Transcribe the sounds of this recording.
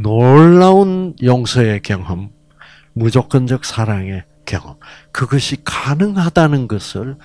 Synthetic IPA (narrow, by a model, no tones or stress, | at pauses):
noɭːaunjʌŋsʰʌe̞kjʌŋɦɯmː | ud͡ʑok͈ʌnd͡ʑʌk̚sʰaɾaŋe̞ | kjʌ̰ŋɦʌm | kɯɡʌɕʰikanɯŋɦadanɯnɡʌsʰɯɭ